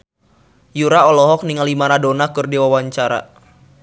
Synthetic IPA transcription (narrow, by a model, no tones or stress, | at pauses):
juɾaɔlɔɦɔk̚niŋalimaɾadonakɨrdiwawaɲt͡ʃaɾa̰